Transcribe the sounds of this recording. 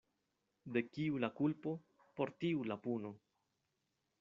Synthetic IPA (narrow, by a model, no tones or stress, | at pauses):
de̞kiulakulpo̞ | po̞ɾtiulapuno̞